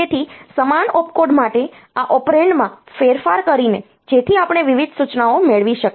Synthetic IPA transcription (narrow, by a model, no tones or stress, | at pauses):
et̪ʰisəmanɔpkoɖmaʈe | aʔɔpɾeɳɖmãfeɾfaɾkəɾine | d͡ʒet̪ʰiapɳ̃eʋiʋid̪ʱsut͡ʃnaomeɭʋiʃək